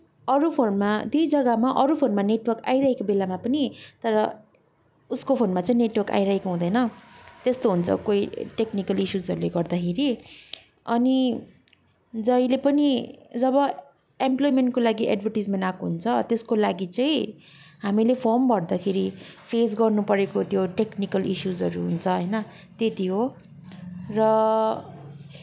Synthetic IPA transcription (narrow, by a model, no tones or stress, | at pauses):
ʌɾupʰonmad̪ijd͡zʌɡʌmaʔʌɾupʰonmaneʈwʌrka̰jɾaɦekobelamapʌnit̪ʌɾʌ | uskopʰonmat͡saĩneʈwʌrka̰iɾaɦekoɦũd̪ʌjnʌt̪est̪oɦunt͡sʰʌ̰koiʈeknikʌlisuzʌɾuleɡʌrd̪akʰeɾi | ʌni | d͡zʌjlepʌnid͡zʌbʌ | emplojmeɳʈkolaɡiʔḛɖbʱʌrʈid͡zmenakɦunt͡sʰʌt̪eskolaɡit͡sʌĩ | ɦamilepʰʌrmbʌrd̪akʰeɾipʰes̬ɡʌrnupʌɾekot̪joʈeknikʌlisuzɦʌɾuɦunt͡sʰʌɦʌjnʌ | t̪et̪iɦo | rʌ